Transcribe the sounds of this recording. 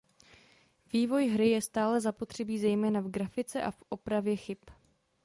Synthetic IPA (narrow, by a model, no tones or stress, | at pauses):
viːvo̞jɦɾɪjɛst̪aːlɛzapo̞t̪r̝̥ɛbiːzɛjmɛːnavɡɾafɪt͡sɛʔafʔo̞pɾavjɛxɪp